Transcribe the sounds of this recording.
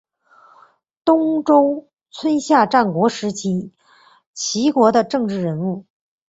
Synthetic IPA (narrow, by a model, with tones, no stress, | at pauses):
t̪ʊ˥ŋʈ͡ʂʊ˥ʊ | t͡sʰwə˥nɕja˥˧ʈ͡ʂa˥˩nkwɔ˧˥ʂɻ̩˧˥t͡ɕʰi˧˥ | t͡ɕʰi˧˥kwɔ˧˥d̪ə˧ʈ͡ʂɤ˥˧ŋʈ͡ʂɻ̩˥˩ɻə˧˥nu˥˩